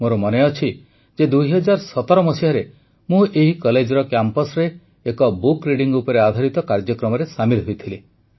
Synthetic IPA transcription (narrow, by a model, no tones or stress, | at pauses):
moɾɔmɔneɔt͡ʃʰi | d͡ʒed̪uɦjɦɔd͡ʒaɾsɔt̪ɔɾɔmɔsiɔɾe | mũʔeɦikɔled͡ʒɔɾɔkjampɔsɾeː | kɔbukɾiɖiŋɡupɔɾead̪ʱaɾit̪ɔkaɾd͡ʒjɔkɾɔmɔɾesamilɦojt̪ʰile